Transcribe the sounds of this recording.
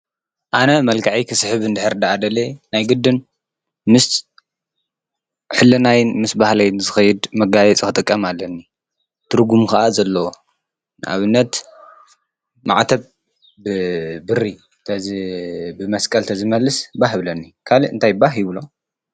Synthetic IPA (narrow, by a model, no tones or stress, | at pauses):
ʔanɐmɐlkʰaʕikʰɨsħɨβɨnd̪ɨħɨɾd̪aad̪ɐlenajɡɨd̪ːɨn | mɨs | ħɨlːɐnajnmɨsbahlajnɨzɨxɐjɪd̪mɐɡajɛt͡sʼkxɨt̪ʼɨkʼːɐmalːɐnːi | t̪ʰɨɾɡumkaʔazɐlːɐwo | nɨʔa̰βɨnːɐt̪ | ma̰ʕt̪ʰɐβ | bɨbɨri | t̪ʰɐ | bɨmɐskʼɐlt̪ʰɐzɨmɐlːɨsbaɦβlɐnːikʰaliɨnt̪ʰajbaɦjuβɨlo̞